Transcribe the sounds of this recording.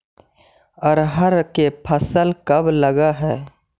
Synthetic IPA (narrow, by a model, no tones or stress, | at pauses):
ɔːɾɦəɾkepʰəsəlkɐbləɡaɦɛː